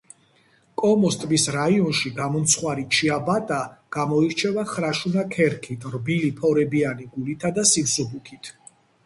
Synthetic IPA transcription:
kʼɔmɔst̪ʼbisɾaiɔnʃiɡamɔmt̪sʰχwaɾit͡ʃʰiabat̪ʼaɡ̥amɔiɾt͡ʃʰɛvaχɾaʃunakʰɛɾkʰit̪ʰrbilipʰɔɾɛbianiɡulit̪ʰad̪asimsubukʰit̪ʰ

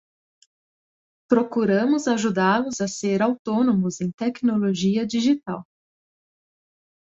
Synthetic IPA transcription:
pɾokuɾɐ̃mʊzaʒud̪alʊzɐseɾawt̪onomʊzẽj̃t̪ɛknoloʒiɐd͡ʒiʒit̪aw

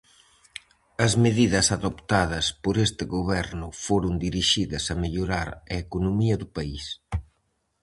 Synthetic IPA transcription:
ɐzmeðiðɐsɐðopt̪aðɐspoɾest̪ɪɣoβɛɾnʊfoɾʊnd̪iɾiʃiðɐsɐmeʎoɾaɾɐekonomiɐðʊpais

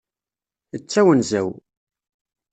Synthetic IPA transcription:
ət͡sːæwənzæw

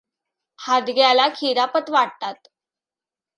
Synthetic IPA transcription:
had̪ɡjalakʰiɾapət̪ʋaɽ̚t̪at̪

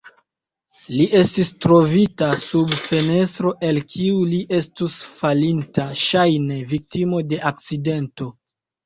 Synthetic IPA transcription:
liʔe̞stistɾo̞vitasubfe̞ne̞stɾo̞ʔe̞lkʰiuliʔe̞stusfalintaʃajne̞vik̚timo̞de̞ʔak̚t͡side̞nto̞

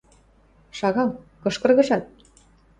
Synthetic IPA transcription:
ʃɑɣɑlkɤ̆ʃkɤ̆rɣɤ̆ʃɑt̪̚

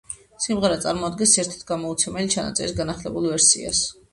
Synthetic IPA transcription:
simʁɛɾɛt̪sʼaɾmɔad̪̚ɡɛnsɛɾt̪ʰi̥t̪ʰɡamɔut̪sʰɛmɛlit͡ʃʰana̰t̪sʼɛ̰ɾisɡanaχlɛbulˠvɛɾsḭa̰s

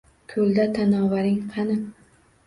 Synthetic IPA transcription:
kʲʰɵld̪at̪ʰanɒːvaɾɪŋqʰɑnɪ

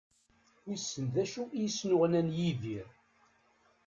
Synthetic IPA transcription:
wisːənðæʃuʔijsnʊʁnænjiðiɾ

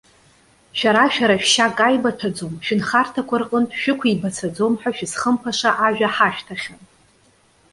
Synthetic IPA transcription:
ʃᶣaɾaʃᶣaɾaʃᶣʃakʼajbatʰad͡zomʃᶣɪnχartʰakʷʰarqʼəntʼʃᶣɪkʷʰibat͡sʰad͡zo̞mħᶣaʃᶣɪsχəmpʰaʂaʔaʒᶣaħaʃᶣtʰaχʲan

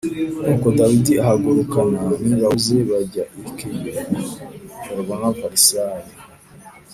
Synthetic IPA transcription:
kukodawidiahaɡuɾukananiŋɡauzeβaɟaʔikijo | aɾβanafaɾisaji

